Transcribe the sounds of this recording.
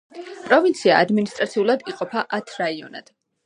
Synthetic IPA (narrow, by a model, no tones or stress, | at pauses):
pʼɾɔvint̪sʰiaːd̪minist̪ʼɾat̪sʰiulˠad̪iqʼɔpʰaʔat̪ʰɾaiɔna̰d̪̥